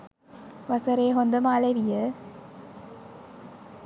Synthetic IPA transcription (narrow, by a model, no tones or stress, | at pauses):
ʋɐsɐɾeːɦond̪əmaːleʋijə